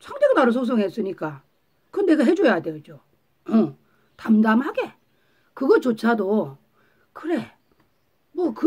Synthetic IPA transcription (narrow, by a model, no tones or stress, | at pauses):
sʰʌŋdeɡɯmaɾɯsʰoks̬͈ʰʌŋɦe̞s͈ɯɲik͈a | kɯʌne̞ɡaɦe̞d͡ʑojaded͡ʑo | ʌ̃ | tamdamhaɡe̞ | kɯɡʌt͡ɕot͡ɕʰado | kɯɾe | mwʌkɯ